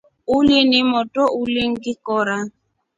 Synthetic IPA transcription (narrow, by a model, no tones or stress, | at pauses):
olenemɔtɔʔuleŋ̩ɡɪkɔɾa